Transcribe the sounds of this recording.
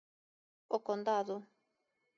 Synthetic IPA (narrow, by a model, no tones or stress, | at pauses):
okond̪aðu